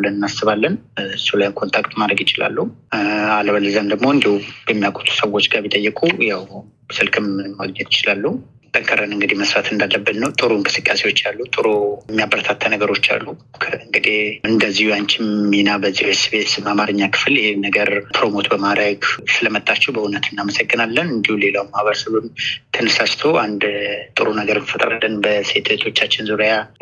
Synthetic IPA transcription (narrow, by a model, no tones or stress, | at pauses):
lɨnɨnːasːɨβalːənsulajnkʰo̞nt̪ʰakt̪mad̪ɾəɡjɪt͡ʃɪla̰lːuhualəβəlɨzamd̪əɡmo̞ɨnd̪ihujɛmːijakʷʼot̪ʰu̥səwːo̞t͡ʃːɡaβit̪ʼəjːɨkʼujaw | sɨlkʰɨmɨːaɡɲɛt̪ʰjɪt͡ʃɪlalːuu | t̪ʼəŋkʰəɾənɨŋɡɨd̪iməsɾat̪ʰɨnd̪alːəbːɨnnəwt̪ʼɨɾuɨŋkʼɨsɨkʼːasewo̞t͡ʃːalːut̪ʼɨɾumːijabəɾt̪ʰat̪ʰːənəɡəɾo̞t͡ʃːa̰lːukʰəɨŋɡɨd̪ihɨnd̪əzːihuaɲt͡ʃɪmːinabəzːihesβet̪sɨmamaɾɨɲːakʰɨ̥fljɪhenəɡəɾp̪ʰɾo̞mo̞t̪bəmad̪ɾəɡsɨləmət̪ʼːat͡ʃːɛwbəhunət̪ʰɨnːaməsəɡːɨnalːənɨnd̪ihule̞lawmahβəɾəsəβɨmt̪ʰɨnɨsast̪ʰoʔand̪t̪ʼɨɾunəɡəɾɨnfət̪ʼɾa̰lːənbəse̞t̪ʰt̪ʰo̞t͡ʃːat͡ʃːɪnzuɾja